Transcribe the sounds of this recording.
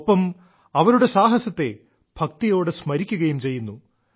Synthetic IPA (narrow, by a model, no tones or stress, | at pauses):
pːɐm | ɐʋɐɾuɽe̞saːɦɐsɐt̪ːe̞̰ | b̥ʱɐk̚t̪ijo̞ːɽɨsmɐɾikʲːuɣɐjumt͡ɕe̞jːunːu